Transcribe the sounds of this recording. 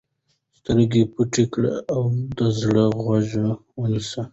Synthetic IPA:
st̪əɾɡepuʈikɽa̰awd̪əzɽəɣwaʒəwənisa

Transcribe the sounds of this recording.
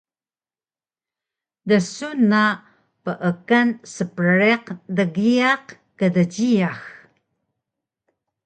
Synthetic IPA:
dəsuna | pəʔəkansəpəɾeqdəɣiaq | kədəɟijax

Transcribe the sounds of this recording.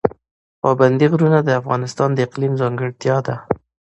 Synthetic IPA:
pɑband̪iɣɾunad̪əafɣɑnɪst̪ɑnd̪əɪqlimzɑŋɡəɽt̪jɑd̪a

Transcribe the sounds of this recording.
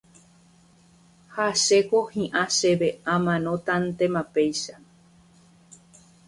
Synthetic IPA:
haʃekohĩʔãʃe̞βe̞ãmãnõ̞t̪ant̪ẽmãpe̞jʃa

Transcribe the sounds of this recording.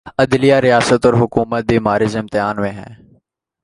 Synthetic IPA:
əd̪lijaːɾɪjaːsət̪ɔːɾɦʊkuːmət̪̚biːmaːɾɪzɪmt̪ɪaːnmẽːɦɛ̰̃ː

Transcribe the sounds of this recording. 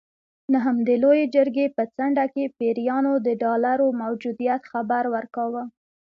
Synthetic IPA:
naɦəmd̪əlojed͡ʒəɾɡepət͡saɳɖakepeɾijɑnod̪əɖɑlaɾomawd͡ʒud̪ijat̪xabaɾwəɾkawə

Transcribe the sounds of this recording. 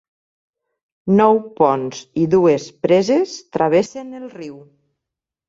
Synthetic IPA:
nɔwpɔnziðuespɾezest̪ɾaβ̞esenelˠriw

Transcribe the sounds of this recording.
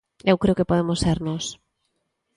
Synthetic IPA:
ewkɾeokepoðemoseɾnos

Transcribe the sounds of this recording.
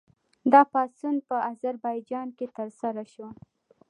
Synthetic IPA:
d̪ɑpɑsunpəazaɾbɑjd͡ʒɑnket̪əɾsaɾaʃwa

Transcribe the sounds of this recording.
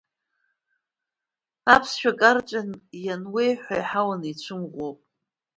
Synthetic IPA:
apʰsʃᶣakʼart͡ʃʼanjanwe̞jħʷᶣajħawanit͡ɕʷʰɨmʁʷopʼ

